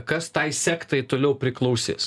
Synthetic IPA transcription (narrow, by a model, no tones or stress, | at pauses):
kɐst̪ɐɪsʲæːkt̪ɐɪt̪oːlʲɛʊpʲɾʲɪklˠɐʊsʲḛːs